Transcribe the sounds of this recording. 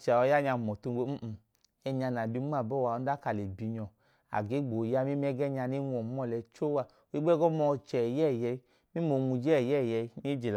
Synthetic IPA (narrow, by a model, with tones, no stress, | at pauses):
t͡ʃɔ˧˦ja˦ɲa˧˨mɔ˨tu˧ɡ͡be˧˦m̩˦˧˨ | ɛ˧ɲa˧na˨bi˧˦ŋ͡ma˦˨bɔ˦˨wa˧ɔ˧n˦da˦ka˨le˨bi˧ɲɔ˨ | a̰˨ɡe˨˦ɡ͡bo˨ja˧˦mi˦m˦ɛ˦ɡɛ˦ɲa˧ni˦ŋɔ˨˦m˦ɔ˦˧˨lɛ˧t͡ʃo˦wa˧ | o˨˧i˦ɡ͡bɛ˦ɡɔ˦mɔ˧t͡ʃɛ˨jɛ˦˨jɛ˧ | mi˦mo˧ŋu˧d͡ʒɛ˦˨jɛ˦˨jɛ˧˦ni˦d͡ʒe˨l